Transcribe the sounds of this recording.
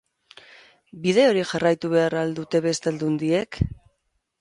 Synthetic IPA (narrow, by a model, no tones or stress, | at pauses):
bið̞e̞o̞ɾixarajt̪uβe̞aɾald̪ut̪e̞βe̞st̪ald̪und̪ie̞k